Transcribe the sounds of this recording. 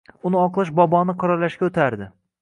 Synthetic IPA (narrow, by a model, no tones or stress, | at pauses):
ʊnɪɒqlˠɨʃ̬bɒbɒnɪqʰɑɾaɾlːaʃkʲaɵt̪ʰaɾd̪ɪ